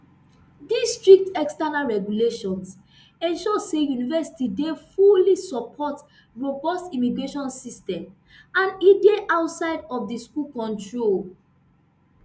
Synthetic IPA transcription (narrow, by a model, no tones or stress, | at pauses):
distɹik̚tɛkstanalɹɛɡuleʃɔ̃ns | ɛ̃nʃɔsejunivɛsi̥tidefulisɔpʰɔt | ɹobɔstimiɡɹeʃɔ̃nsistɛ̃m | ãnideʔaʊtsaɪdɔfdiskulkɔ̃ntɹol